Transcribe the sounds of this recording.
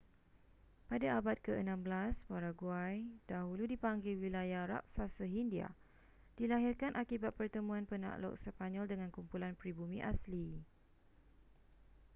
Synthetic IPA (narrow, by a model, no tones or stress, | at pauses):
padaabat̪̚kəənãmbəlaspaɾaɡuajdaɦuludipaŋɡilwilajaɾa̰k̚sasəɦindia̰ | d̥ilaɦirkanʔakibat̪̚pərt̪əmũãnpəna̰ʔlɔ̰ʔ̚səpaɲɔldəŋãnkumpulanpɾibumĩʔasli